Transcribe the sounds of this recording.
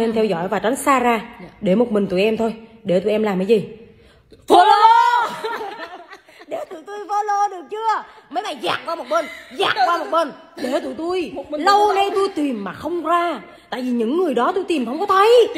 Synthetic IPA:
e˧nt̪ʰɛ˧wzɔ̰˧˨jvaː˨˩t͡ɕa˨˦ŋ̟saː˧zaː˧ɗe˧˩mo˨˩t̚mï˨˩ŋ̟t̪ṵ˧˩jʔɛ˧mt̪ʰo˧j | ɗe˧˩t̪u˧˩˨ʔɛ˧mlaː˨˩mʔa˨˦jzi˨˩ | vo˧lo˧ | ɗe˧˩t̪u˧˩t̪u˧jvo˧lo˧ɗɨ˨˩ək̚t͡ɕɨ˧əmə˨˦jɓaː˨˩jza̰ː˧˩ŋ̚kwaː˧mo˨˩t̚ɓe˧nza̰ː˨˩kwaː˧mo˨˩t̚ɓe˧n | ɗe˧˩t̪ṵ˧˩t̪u˧jlə˧wna˧t̪u˧jt̪i˨˩mːaː˨˩xə˧wŋ͡mkwaː˧ | t̪a̰ː˧˨jvi˨˩ɲɨ̰˧˥ŋːɨ˨˩əjɗɔ˨˦t̪u˧jt̪i˨˩mʰə˧wŋ͡mkɔ˨˦t̪ʰə˨˦j

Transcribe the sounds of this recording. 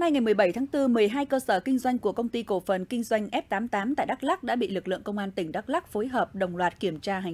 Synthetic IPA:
na˧jŋa˨˩jmɨ˨˩əjɓa˧˩jt̪ʰaː˨˦ŋt̪ɨ˧mɨ˨˩əjɦaː˧jkəː˧səː˧˩kï˧ŋ̟zwa˧jŋ̟ku˧˩əkə˧wŋ͡mt̪i˧ko˧˩fə˨˩nkï˧ŋ̟zwa˧jŋ̟ʔɛ˦˥p̚t̪aː˨˦mt̪aː˨˦mt̪a̰ː˧˨jɗa˦˥k̚la˦˥k̚ɗa̰ː˧˥ɓḭ˧˨lɨ˨˩k̚lɨ̰˧˨əŋkə˧wŋ͡mʔaː˧nt̪ï˧˩ŋ̟ɗa˦˥k̚la˦˥k̚fo˨˦jɦəː˨˩p̚ɗə˨˩wŋ͡mlwaː˨˩t̚ki˧˩əmt͡ɕaː˧ɦa˨˩

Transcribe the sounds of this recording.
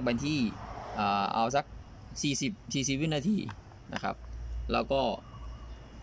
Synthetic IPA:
ŋ̚ba˧nt̪ʰiː˥˩ʔaː˨˩ʔa̰˧wsa˦˥k̚ | siː˨˩si˨˩p̚siː˨˩si˨˩p̚wi˦˥naː˧t̪ʰiː˧ | na̰˦˥kʰa̰˦˥p̚lɛː˦˧˥wkɔː˥˩

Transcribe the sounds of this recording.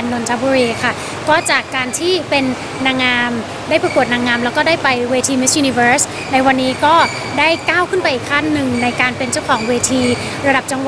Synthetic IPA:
nːo˧nt̪ʰa˦˥buː˧ɾiː˧kʰa˥˩ | kɔː˥˩t͡ɕaː˨˩kːaː˧nt̪ʰiː˥˩pe˧nː | aː˧ŋːaː˧m | daː˥˩jpɾa˧ku˨˩ət̪̚naː˧ŋaː˧mlɛ˦˥wkɔː˥daː˥˩jpa˧jweː˧t̪ʰiː˧mi˦˥sjuː˧ni˧fɤː˦˥s | na˧jwa˧nːiː˦˥kɔː˥˩ | daː˥˩jkaː˥˩wkʰɯ˥˩npa˧jʔiː˨˩kʰːa˥˩nːɯ˨˩ŋna˧jkaː˧npe˧nt͡ɕa˥˩wkʰɔː˩˦ŋweː˧t̪ʰiː˧ | ɾa˧da˨˩p̚t͡ɕa˧ŋwa˨˩

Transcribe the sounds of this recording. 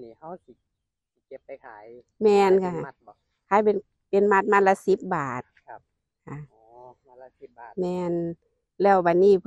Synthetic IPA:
mɛː˧nkʰa˧˩˨ | kʰa˧˥˦jpe˨n | pe˨nma˧˩t̪̚maː˧˥˨la˧˥si˧˦p̚baː˨˩t̪̚ | kʰa˧˩ | mɛː˧n | lɛː˧˩wba˨˩n̚niː˧˩˨

